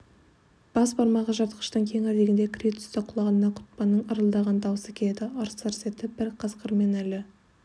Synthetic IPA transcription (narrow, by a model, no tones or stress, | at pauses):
b̥ɑsbɑɾmɑʁəʒɑt̪qə̥ʃt̪əɴkʲʰeŋæɾd̪eɡʲɪnd̪ekʲʰrʲit̪ʏ̥st̪ɪqʰʊlˠɑʁənənɑqʰʊ̥t̪̚pɑnːəɴəɾəlˠd̪ɑʁɑnd̪ɑwəsekʲeed̪ɪɑɾsɑɾse̞t̪ɪbɪɾqʰəsqʰəɾme̞nælɪ